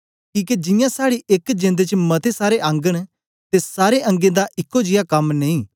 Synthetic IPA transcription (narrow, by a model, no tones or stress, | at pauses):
kiːked͡ʒɪ̃jãsaːɽiʔekd͡ʒẽːnd̪et͡ʃmɐt̪ʰesaːɾeʔãːŋɡəɽ̃ | t̪esaːɾeʔɐ̃ŋɡẽd̪aʔɪkːod͡ʒɪjakɐmneĩː